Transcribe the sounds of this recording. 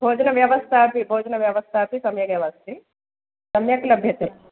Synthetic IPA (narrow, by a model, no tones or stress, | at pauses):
bʱoːd͡ʒɐnɐʋjɐʋɐst̪ʰaːpibʱoːd͡ʒɐnɐʋjɐʋɐst̪ʰaːpisɐmjɐkjɐʋɐst̪ʰi | sɐmjɐklɐbʱjɐt̪e